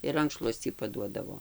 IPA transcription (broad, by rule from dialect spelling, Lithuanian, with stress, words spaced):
ɪr ˈrɐŋkʃlˠuɔsʲt͡sʲiː pɐˈduɔdɐʋoː